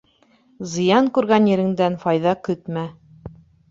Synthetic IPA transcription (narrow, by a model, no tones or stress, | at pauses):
zɤ̆jɑŋkʉɾɣænjɘ̆ɾɘ̆ŋd̪ænfɑjðɑkɵt̪mæ